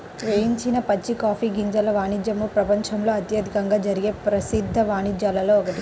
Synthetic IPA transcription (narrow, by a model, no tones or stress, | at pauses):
ʋejiɲt͡ʃinɐpɐt͡ʃːikaːfiːɡiɲd͡ʒɐlɐʋaːɳid͡ʒjɐmupɾɐpɐɲt͡ʃɐmlo̞ːɐt̪jɐd̪ʱikɐŋɡaːd͡ʒɐɾiɡe̞ːpɾɐsid̪ʱːɐʋaːnid͡ʒjaːlɐloːɔkɐt̪i